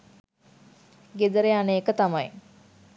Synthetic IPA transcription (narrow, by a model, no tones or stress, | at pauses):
ɡed̪əɾeaneːkət̪amaj